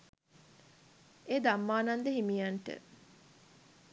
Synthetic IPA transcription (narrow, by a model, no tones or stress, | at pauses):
eːd̪amːaːnand̪əɦimijaɳʈə̰